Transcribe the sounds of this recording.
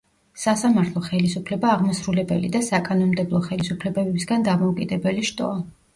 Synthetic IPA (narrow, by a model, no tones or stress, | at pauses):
sasamaɾt̪ʰlˠɔχɛlisupʰlɛbaːʁmɔsɾulɛbɛ̰lḭd̪asakʼanɔnmd̪ɛblˠɔχɛlisupʰlɛbɛbɛbisɡand̪amɔukʼid̪ɛbɛliʃt̪ʼɔ̰a